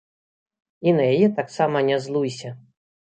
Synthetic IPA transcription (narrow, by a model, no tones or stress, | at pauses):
inɐjajɛt̪aksamɐnʲazlˠujsʲɐ